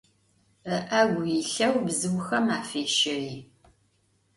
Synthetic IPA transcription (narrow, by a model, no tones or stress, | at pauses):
əʔɐɡʷʊjiɬɐwbzɨwʊxɐmaːfeːʃɪriː